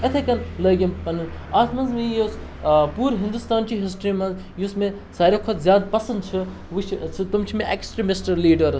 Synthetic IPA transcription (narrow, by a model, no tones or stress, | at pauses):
ɐt̪ʰekɐnləːɡʲimpɐnɨn | aːt̪mɐnzmejes | puːɾɦɪ̃nd̪ust̪aːnt͡ʃiɦɪs̬ʈɾiːmɐz | jusmẽ | saːɾokʰot̪zjaːd̪pɐsɐnd̪t͡ʃʰɨ | ʋut͡ʃʰt͡ʃʰɨt̪umt͡ʃʰimẽʔeksʈɾimɪsʈɐɾliːɖɐɾ